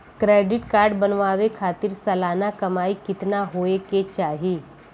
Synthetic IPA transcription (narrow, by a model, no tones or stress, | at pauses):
kɾeːɖɪʈkaːɾɖbɐnʋaːʋekʰaːt̪ɪɾsɐlaːnakɐmaːikɪt̪naɦoːeket͡ʃaːɦieː